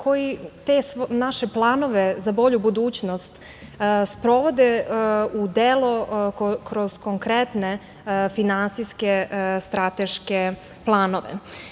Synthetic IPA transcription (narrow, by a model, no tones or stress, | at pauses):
kʰo̞jit̪esnaʃe̞plˠano̞ʋe̞zabo̞ʎubud̪uːt͡ɕnost̪ | spɾo̞ʋo̞d̪eud̪elokɾoz̥koŋkɾet̪ne | finansiskest̪ɾat̪eʃke | plˠaːnoʋḛ